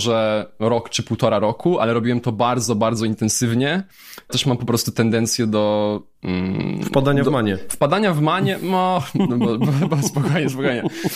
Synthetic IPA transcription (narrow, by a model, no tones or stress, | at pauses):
ʐɛɾɔkt͡ʂɘpuwt̪ɔɾaɾɔkʰua̰lɛɾɔbʲiwɛmt̪ɔbaɾd̪zɔbaɾd̪zɔint̪ɛnsɘvɲɛ | t̪ɛʂmampɔpɾɔst̪ut̪ɛnd̪ɛnt̪sʲjɛd̪ɔ | m̩fpad̪aɲamaɲɛfpad̪aɲavmaɲɛmɔɔbɔbwbwɛspɔkɔjɲɛspɔkɔjɲɛ